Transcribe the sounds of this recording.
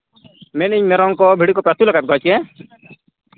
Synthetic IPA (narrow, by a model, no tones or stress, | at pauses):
meniɲmeɾɔŋkɔbʱiɽikɔpɾat̪ulɔɡat̪̚ɡʱɔjt͡ʃie